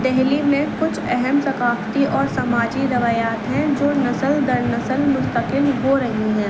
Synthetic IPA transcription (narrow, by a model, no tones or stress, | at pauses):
d̪ɛɦlimẽkʊt͡ʃʰɛɦɛmsɐkaːft̪iʔɔːɾsɐmaːd͡ʒiɾɐʋaːjaːt̪ɦɛ̃d͡ʒoːnɐsəld̪ɐɾnɐsəlmʊst̪əqɪlɦoɾɐɦiɦɛ̃ː